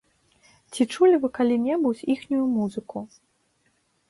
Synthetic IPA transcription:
t͡sʲit͡ʂulʲivɨkalʲinʲɛbut͡sʲixnʲujumuzɨku

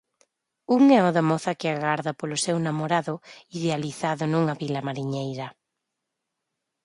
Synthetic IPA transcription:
uŋɛɔðamɔθɐkɪaɣaɾðɐpolʊsewnamoɾaðʊiðealiθaðʊnuŋɐβilɐmaɾiɲejɾɐ

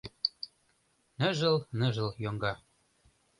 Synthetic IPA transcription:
nɘ̆ʒə̆lnə̆ʒɤ̆ljoŋɡɑ

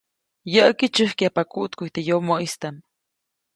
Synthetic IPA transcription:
jəʔəkit͡ʃɨhkiapakuʔt̪kuit̪ejomoʔist̪am

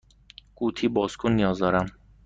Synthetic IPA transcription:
ɡ̥uːt̪ʰiːbɒːskʰonːijɒːzd̪ɒːɾæm

